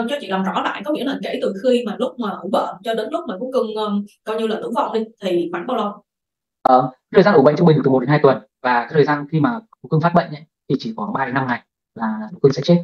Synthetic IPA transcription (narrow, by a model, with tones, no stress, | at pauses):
t͡ɕɔ˧t͡ɕḭ˧˨la˨˩ŋ͡mzɔ̰˧˥la̰ː˧˨jkɔ˨˦ŋḭ˧˥ləː˨˩kḛ˧˥jt̪ɨ˨˩xi˧maː˨˩lʊ˦˥k͡p̚maː˨˩ʔu˧˩ɓə̰ː˧˨t͡ɕɔ˧ɗɨ̰˧˥ŋlʊ˦˥k͡p̚maː˨˩ʊ̰˧˥ŋ͡mkɨ˧˩ŋʔəː˧kaː˧wɲi˧laː˨˩ʔɨ̰˧˦wva̰˧˨˩whi˧ŋt̪ʰi˨˩ma˨˩jŋɓaː˧wlə˨˧˩ŋ͡m | ʔəː˨˩a˧˦˥tʰə˨˩za˧ʔu˧˩ɓə̰˧˨ŋt͡ɕʊ˧ŋ͡mi˧˨˩ɨ˨˩˨nhaː˧jt̪wə˨˩n | vaː˨˩kaː˨˥jtʰə˨˩zaː˧nxi˧maː˨˩ | u˨˦kɨ˧ŋfaː˦˥ɓə̰˧˨ŋ̟ʔə̰˧˦jt̪ʰi˨˩t͡ɕi˧˩kɔ˨˩ɓaː˧˦na˧mŋa˨˩j | laː˨˩ɨ˧˨˥kŋsɛ̰˧˥t͡ɕe˦˥t̚